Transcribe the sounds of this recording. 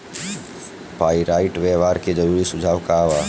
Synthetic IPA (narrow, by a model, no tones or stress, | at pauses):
paːiɾaːɪʈʋeʋaːɾked͡ʒɐɾuːɾisʊd͡ʒʱaːʋkaːʋaː